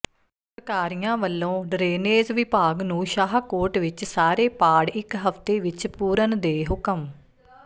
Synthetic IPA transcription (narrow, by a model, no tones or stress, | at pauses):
pɾəkaːɾijãːʋəlːõːɖɾeːneːzʋɪpaːɡnũːʃaːɦkoːɾʈʋɪt͡ʃsaːɾeːpaːɽɪkɦəft̪eːʋɪt͡ʃpuːɾənd̪eːɦʊkəm